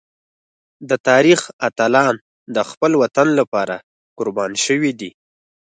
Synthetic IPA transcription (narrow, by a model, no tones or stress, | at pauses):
d̪ət̪ɑɾixat̪alɑn | d̪əxpəlwat̪anlapɑɾa | qʊɾbɑnʃəwid̪i